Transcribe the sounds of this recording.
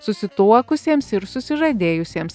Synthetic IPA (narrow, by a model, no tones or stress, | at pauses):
sʊsʲɪt̪uɔkʊsʲiːmsɪɾsʊsʲɪʒɐd̪ʲeːjʊsʲeɛms